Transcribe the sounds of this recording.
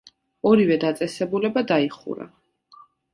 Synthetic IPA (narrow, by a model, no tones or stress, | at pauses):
ɔɾivɛd̪at̪sʼɛsɛbulɛbad̪aiχṵɾa̰